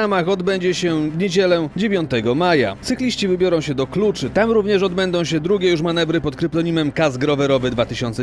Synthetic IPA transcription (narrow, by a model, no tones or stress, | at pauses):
amaxɔd̪bɛɲd͡ʑɛɕɛd̪ɲid͡ʑɛlɛd͡ʑevʲjɔ̃nt̪ɛɡɔmaja̰t̪sɘklʲiɕt͡ɕivɘbʲjɔɾɔ̃w̃ɕɛd̪ɔklut͡ʂɘt̪amɾuvɲɛʂɔd̪bɛnd̪ɔ̃w̃ɕɛd̪ɾuɡʲɛjuʂmanɛvɾɘpɔt̪̚kɾɘplɔɲimɛmkazɡɾɔvɛɾɔvɘd̪vat̪ɘɕɔnt̪sɛ